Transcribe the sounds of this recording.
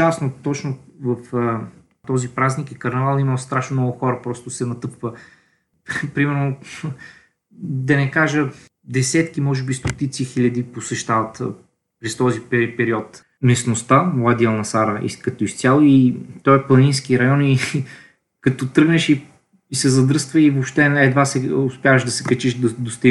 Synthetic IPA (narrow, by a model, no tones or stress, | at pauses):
asnot̪ɔt͡ʃnovɐf | t̪ɔzipɾaznikikɐɾnɛvalˠiməst̪ɾaʃnomnɔɡʊxɔɾəpɾɔst̪ʊsɛnɐt̪ɤpvə | pɾimɛɾno | d̪ɐnɛkaʒə | d̪ɛsɛt̪kimɔʒɛbist̪ot̪it̪sixilʲɐd̪iposɛʃt̪avɐt̪ | pɾɛst̪ɔzipɛpɛɾiɔt̪ | mɛsnost̪amlˠad̪iɐlˠnɐsaɾəḭkɐt̪ɔist̪sʲalˠoit̪ɔɛplˠɐninskiɾɐjɔni | kɐt̪ɔt̪ɾɤɡnɛʃi | isɛzɐd̪ɾɤst̪vəivopʃt̪ɛɛd̪vasɛʊspʲjavəʃd̪ɐsɛkɐt͡ʃiʃd̪ɐd̪ost̪i